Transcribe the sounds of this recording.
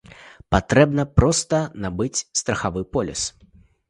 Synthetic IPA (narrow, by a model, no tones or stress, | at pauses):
pat̪ɾɛbnɐpɾɔst̪ɐnabɨt͡sʲst̪ɾɐxavɨpɔlʲɛ̰s